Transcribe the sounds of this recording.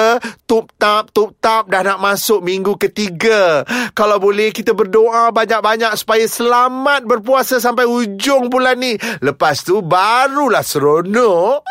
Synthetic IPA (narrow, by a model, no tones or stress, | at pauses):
t̪up̚t̪ap̚t̪up̚t̪ap̚dahnaʔmasʊk̚miŋɡukət̪iɡakalawbolɛhkit̪abərdoʔabaɲak̚baɲak̚su̥pajasəlamat̪̚bərpuasas̬ampajud͡ʒʊŋbulanːiləpast̪ubaɾulahsəɾonɔʔ